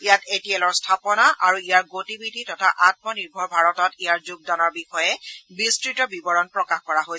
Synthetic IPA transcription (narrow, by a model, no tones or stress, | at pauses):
ijatetielɔɹstʰapɔnaʔaɹuijaɹɡotibidʱitɔtʰaʔat̚mɔniɹbʱɔɹbʱaɹɔtɔtijaɹzuɡ̚danɔɹbixɔjɛbistɹitɔbibɔɹɔnpɹɔkaxkɔɹaɦojsɛ